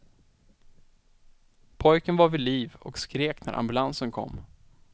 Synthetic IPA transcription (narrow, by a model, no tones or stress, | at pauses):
pʰɔjkənvaɾvɪliːvɔ̰kskɾeːknæ̰ɾʔa̰mbɵlansənkʰɔ̰mː